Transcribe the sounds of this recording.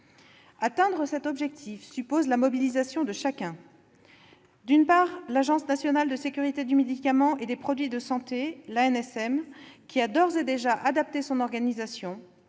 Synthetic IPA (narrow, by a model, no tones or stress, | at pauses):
at̪ɛ̃d̪ʁəsɛt̪ɔbʒɛk̚t̪ʰifsypozlamɔbilizasjɔ̃d̪əʃakʲɛ̃ | d̪ynpaːʁlaʒɑ̃snasjɔnald̪əsekʲyʁit̪ed̪ymed̪ikamɑ̃ʔed̪epχɔd̪ɥid̪əsɑ̃t̪elaɛnɛsɛmkʲiad̪ɔʁzed̪eʒaʔad̪ap̚t̪esɔ̃nɔʁɡanizasjɔ̃